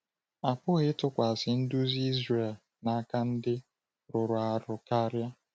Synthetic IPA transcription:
a˨pʊ˦ɣɪ˦tʊ˦kʷa˨sɪ˨n̩˦dʊ˦zi˦zre˨l | na˦ka˦n̩˦dɪ˦ | ɾʊ˨ɾʊ˨a˨ɾʊ˨ka˦ɾja˦

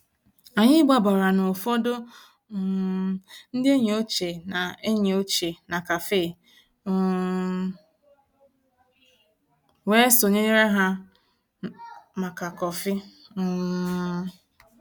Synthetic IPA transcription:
a˨ɲɪ˦ɡ͡ba˨bɔ˨ɾa˨no˨fo˦do˦˨ | n̩˦dɪ˦e˦ɲe˨o˦t͡ʃe˨na˨e˦ɲe˨o˦t͡ʃe˨na˨ka˨feː˦˨˦ | we˦so˨ɲe˦ɲe˦ɾe˦ɦa˦ | ma˨ka˨kɔ˨fɪ˦

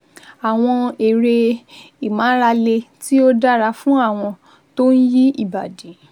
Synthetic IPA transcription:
a˨w̃ɔ̃˧e˨ɾe˧ | i˨mã˨˦ɾa˧le˧ti˦o˦da˦ɾa˧fũ˦a˦˨w̃ɔ̃˧ | to˦n̩˦ji˦i˦˨ba˨de˨˦

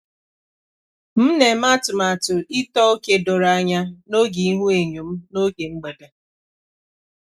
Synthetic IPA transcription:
m̩˦ne˨ma˦tʊ˨ma˨tʊ˨i˦tɔ˦o˦ke˦dʊ˨ɾa˦ɲa˦no˦ɡi˨i˦ɦu˦e˨ɲu˨m̩˦no˦ɡe˨ŋ͡m̩˦ɡ͡be˨de˨

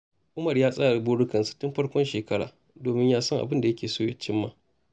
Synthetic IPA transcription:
ʔʊ˦mɐ˨rjaː˦sʼa˦˨ɾa˨buː˦ɽʊ˦kɐ˨nsu̥˨tʊ˦mɸɐ˦ɽkʷɔ˦nʃeː˨kɐ˦ɽa̰ː˨ | doː˨mɪ˦ɲjaː˦sɔ˦ŋʔa̰˨bɪ˦nda˨jɐ˦kʲeː˨soː˦je˨t͡ʃɪ˦mːaː˨

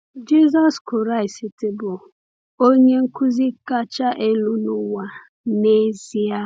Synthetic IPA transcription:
d͡ʒi˦zɔ˦skʊ˨ɾa˦˨ɪ˨si˨tɪ˨bʊ˨ | o˦ɲe˦ŋ̩˦kʊ˦zi˦ka˦t͡ʃa˦ʔe˦lu˦nʊ˦wa˨ | ne˦zi˦a˦

